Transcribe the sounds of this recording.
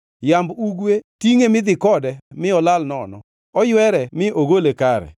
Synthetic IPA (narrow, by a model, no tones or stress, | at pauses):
jambuɡwetiŋemɪd̪ɪkɔdɛmɪɔlalnɔnɔ̰ | ɔjwɛɾɛmɪʔoɡolekaɾɛ̰